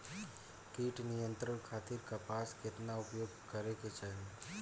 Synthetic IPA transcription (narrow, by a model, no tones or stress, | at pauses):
kiːʈnɪjə̃nt̪ɾəɽkʰaːt̪ɪɾkapaːskɪt̪naʊpjoːɡkəɾeket͡ʃaɦẽ